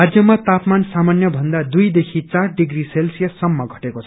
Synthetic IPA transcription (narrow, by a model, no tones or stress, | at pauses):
ad͡zjʌmat̪apmansamanjʌbʱʌnd̪ad̪ujd̪ekʰit͡sarɖiɡriselsijʌsʌmːʌɡʱʌʈekot͡sʰʌ